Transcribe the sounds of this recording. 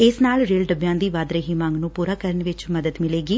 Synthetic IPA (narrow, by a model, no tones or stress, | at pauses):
ɪsnaːlɾeːlɖəbjãːd̪iːʋaːd̪ɾeːɦiːmãːŋɡnũːpuːɾaːkəɾəɳʋɪt͡ʃməd̪əd̪mɪleːɡiː